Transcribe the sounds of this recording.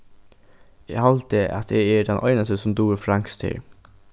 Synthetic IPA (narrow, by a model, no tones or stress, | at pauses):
eːhɑlt̪eʔɑ̰t̪eːæːdɛnʔɔʏnəst̪əsʊmd̪uːfɾɑŋkst̪ʰɪ̰ɹ